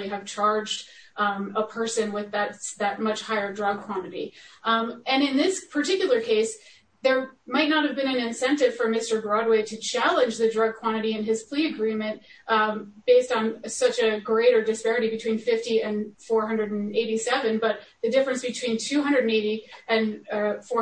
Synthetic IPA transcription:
iɨv̥t͡ʃʰɑɹd͡ʒd | əpʰɜ˞sɨ̃nwɪðɨtðɨt̚mʌt͡ʃhaɪə˞dɹʌɡ̚kʰw̥ɑ̃ñɨɾḭ | ɨ̃nɨ̃nðɪspʰə˞tʰɪkjl̩ˠə˞kʰeɪs | ðə˞maɪtⁿnət̚hɨvbɨ̃ñɨ̃nɨ̃nsɛ̃ntɨv̥fə˞mɪstə˞bɹɑd̚weɪɾɨt͡ʃʰælˠə̃nd͡ʒðɨdɹʌɡ̚kʰw̥ɑ̃ɾ̃ɨɾiɨ̃nɨz̥pʰl̥iɨɡɹĩmɨ̃nt | b̥eɪstn̩sʌt͡ʃɨɡɹeɪɾə˞dɨspɛɹɨɾibɨtʰw̥ĩnfɪftiɨ̃nfɔɹɦʌ̃ndɹɨɾn̩eɪɾisɛvɨ̃nbʌt̪̚ðɨdɪfɹɨ̃nsb̥ɨtʰw̥ĩntʰʉɦʌ̃ndɹɨɾn̩eɪɾiɨ̃nfɔ

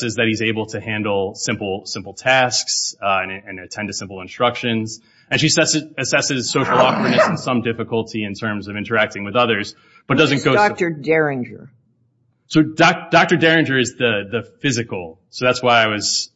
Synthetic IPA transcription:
sɨzðɨt̚hizeɪbl̩ˠtʰɨhæ̃ndl̩ˠsɪ̃mpl̩ˠsɪ̃mpl̩ˠtʰæsksɨ̃nɨ̃nɨtʰɛ̃ntɨsɪ̃mpl̩ˠə̃nstɹ̥ʌkʃɨ̃nz̥ | ɨ̃nʃisɛsɨɨsɛsɨz̥soʊʃl̩ˠɑkwə˞nɨsn̩sʌ̃mdɪfɨkəl̩ˠtʰiɨ̃ntʰɜ̃˞mzʌvɪ̃ntə˞æk̚tɪ̃ŋwɨðʌðə˞z | b̥ʌt̚d̥ʌzɨ̃nɡ̥oʊdk̚tə˞dɛɹɪ̃nd͡ʒə̰˞ | soʊd̚d̥ɑk̚tə˞dɛɹɨ̃nd͡ʒə˞ɨzðɨðɨfɪzɨkl̩ˠsoʊðætswaɪaɪwʌz̥

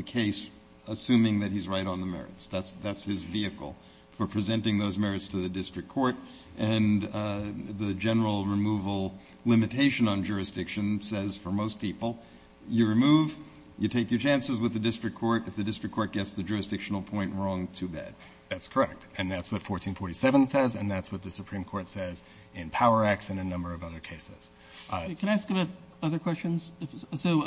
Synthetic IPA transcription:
ðɨkʰeɪs | əsʉ̃mɪ̃ŋðɨt̚hizɹaɪɾn̩ðəmɛ̰ɹɨ̰tsðætsðætshɪzviɨkl̩ˠ | fə˞pʰɹ̥ɨzɛ̃ntɪ̃ŋðoʊzmɛɹɨtstʰɨðɨdɪstɹ̥ɨk̚ʰɔɹɾ | ʔɨ̃n | ðɨd͡ʒɛnə˞l̩ˠɹɨmuvl̩ˠ | lɪ̃mɨtʰeɪʃɨ̃nə̃nd͡ʒʊɹɨsd̥ɪkʃɨ̃nsɛz̥fə˞moʊs̚pʰipl̩ˠ | jɨɹɨmuv | jɨtʰeɪkjə˞t͡ʃʰæ̃nsɨzwəðɨdɪstɹ̥ɨkʰɔɹɾɨfðɨdɪstɹ̥ɨkʰɔɹt̚ɡ̥ɛtsðɨd͡ʒʊɹɨsd̥ɪkʃn̩l̩ˠpʰɔ̃ɪ̃nʔɹɔ̃ŋtʰɨbæ̰d̥̚ | ðætskʰə˞ɛk̚tɨ̃nðætswʌtfɔɹtʰĩnfɔɹɾisɛvə̃nsɛzɨ̰̃nðætswʌt̪̚ðɨsɨpʰɹ̥ĩmkʰɔɹtsɛz | ɪ̃npʰaʊə˞æk̚sɨ̃nɨnʌ̃mbə˞ʌvʌðə˞kʰeɪsɪz̥ | kʰñaɪæskəbaʊɾ | ʌðə˞kʰw̥ɛst͡ʃɨ̃nz̥soʊ

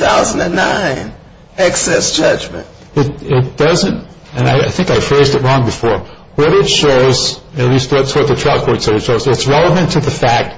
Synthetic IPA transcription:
θaʊz̃n̩dɨ̃nːã̰ɪ̃n | ɛksɛsd̥ʒ̥ʌd͡ʒmɨ̰̃nt̚ | ɪt̚ɪt̚d̥ʌzɨ̃nt | ɨ̃na̰ɪa̰ɪθɪ̃ŋkaɪfɹeɪzdɨt̚ɹɔ̃ŋbɨfɔɹ | wʌɾɪtʃoʊz̥ɨtˡlist̚wʌtswʌt̪̚ðɨtʰɹ̥aɪʊpʰɔɹtsɛɾɨtʃoʊzɪtsɹɛlˠəvɨ̃ntʰɨðɨfæk̚t̚

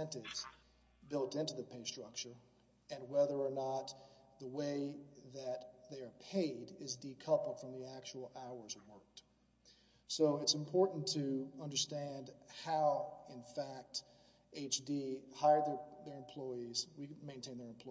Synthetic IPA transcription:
ɛ̃ntɪvz̥ | bɪlˠtɪ̃ntʉðɨpʰeɪstɹ̥ʌk̚t͡ʃə˞ | ɨ̃nwɛðə˞ːnət̪̚ðəweɪðɨt̪̚ðeɪə˞pʰeɪɾɪzdikʰʌpl̩ˠd̥fɹʌ̃mðiæk̚t͡ʃul̩ˠaʊə˞zwɜ˞k̚t | soʊɨtsɨ̃mpʰɔɹʔn̩tʰɨʌ̃ndə˞stæ̃ndhaʊɪ̃nfæk̚t | eɪt͡ʃdihaɪə˞dðə˞ðə˞ɨ̃mpʰl̥ɔɪizwimẽɪ̃ntʰẽɪ̃nðə˞ɨ̃m̩pʰl̥ɔ

